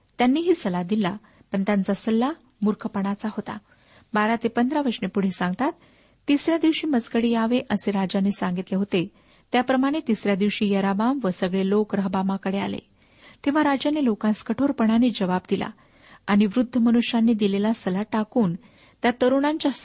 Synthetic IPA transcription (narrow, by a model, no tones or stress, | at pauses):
t̪janːiːɦiːsəlad̪ila | pəɳt̪jant͡sasəlːa | muɾkʰəpəɳat͡saɦot̪a̰ | baɾat̪epənd̪ʱɾaʋəɾʂnepuɽ̤esãŋɡt̪at̪ː | isɾjad̪iʋɕiːmət͡skəɽijaʋeʔəseɾad͡ʑanesaŋɡit̪leɦot̪e | t̪japɾəmaɽ̃et̪isɾjad̪iʋɕiːjəɾabamʋəsəɡɭelokɾəɦbamakəɽea̰lḛ | t̪eʋ̤aɾad͡ʑanelokãskəʈʰoɾpəɳ̃aniːd͡zəʋabd̪ila̰ | aɽ̃iʋɾud̪ʱːəmənuɕjanːiːd̪ilelasəlaʈakuːn | t̪jat̪əɾuɳ̃ãɲt͡ɕja